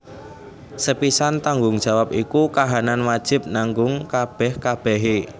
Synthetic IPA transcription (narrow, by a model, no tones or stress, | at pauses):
səpisant̪aŋɡʊŋd̥ʒ̥a̤wap̚ikukaɦananwad̥ʒ̥ɪ̤p̚naŋɡʊŋkab̥ɛhkab̥ɛɦe